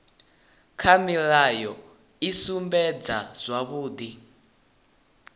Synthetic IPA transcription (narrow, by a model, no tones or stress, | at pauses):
kʰamiɺajɔ | isumbɛd͡zaz̥ʷaβuːd̪i